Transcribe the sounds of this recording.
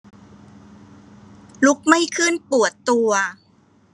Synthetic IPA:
lu˦˥k̚ma˥˩jkʰɯ˥˩npu˨˩ət̪ːu˧ɐ

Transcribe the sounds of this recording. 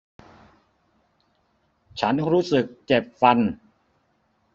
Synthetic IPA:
t͡ɕʰa˦˥nɾuː˦˥sɯ˨˩kt͡ɕe˨˩p̚fa˧n

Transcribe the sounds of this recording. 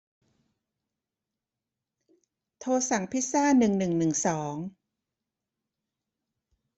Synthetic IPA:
t̪ʰoː˧sa˩˦ŋpʰi˦˥t̚saː˥˩nɯ˨˩ŋnɯ˨˩ŋnɯ˨˩ŋsɔː˩˦ŋ

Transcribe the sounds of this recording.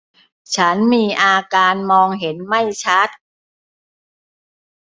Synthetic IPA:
t͡ɕʰa˦˥nmiː˧ʔaː˧kaː˧nmɔː˧ŋɦe˩˦nma˥˩jt͡ɕʰa˦˥t̪̚

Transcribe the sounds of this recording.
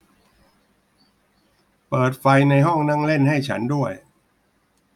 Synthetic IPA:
pɤː˨˩t̪̚fa˧jna˧jɦɔ˥˩ŋna˥˩ŋle˥˩nha˥˩jt͡ɕʰa̰˦˥ndu˥˩əj

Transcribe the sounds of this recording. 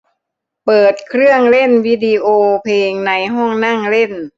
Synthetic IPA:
pɤː˨˩t̪̚kʰɾɯ˥˩əŋle˥˩nwiː˧˥diː˧ʔoː˧pʰeː˧ŋna˧jɦɔː˥˩ŋna˥˩ŋle˥˩n

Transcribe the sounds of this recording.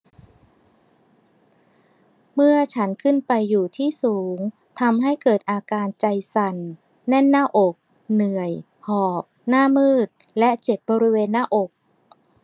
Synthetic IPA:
mɯ˥˩ɐt͡ɕʰa˦˥nkʰɯ˥˩npa˧jːuː˨˩t̪ʰiː˥˩suː˩˦ŋ | t̪ʰa˧mɦa˥˩jkɤː˨˩t̪̚ʔaː˧kaː˧nt͡ɕa˧jsa˨˩nː | ɛ˥˩nːaː˥˩ʔo˨˩k̚ | nɯ˨˩əj | hɔː˨˩p̚naː˥˩mɯː˥˩t̪̚ | lɛ˦˥ʔt͡ɕe˨˩p̚bɔː˧ɾi˦˥weː˧nːaː˥˩ʔo˨˩k̚

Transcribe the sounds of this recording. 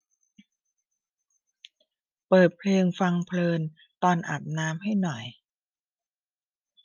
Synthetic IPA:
pɤː˨˩t̪̚pʰleː˧ŋfa˧ŋpʰlɤː˧n | t̪ɔː˧nʔa̰˨˩p̪̚naː˦˥mɦa˥˩jnɔ˨˩j

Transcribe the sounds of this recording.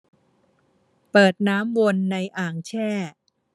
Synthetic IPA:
pɤː˨˩t̪̚naː˦˥mwo˧nːa˧jʔaː˨˩ŋt͡ɕʰɛː˥˩

